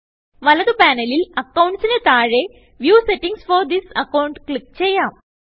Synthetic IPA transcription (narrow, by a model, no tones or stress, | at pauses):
ʋɐlɐd̪əpænelilɐkawũɳʈsinet̪aːɾe | ʋjuːseʈĩŋsfɔɾd̪isɐkawuɳʈklik̚t͡ɕeja